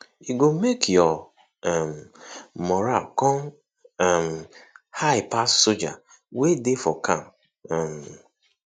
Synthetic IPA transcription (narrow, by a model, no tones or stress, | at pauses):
iɡomekjɔ | ɛm̩mɔɾakɔ̃n | ɛm̩haɪpassod͡ʒa̰ | wedefɔkʰam | ɛm̩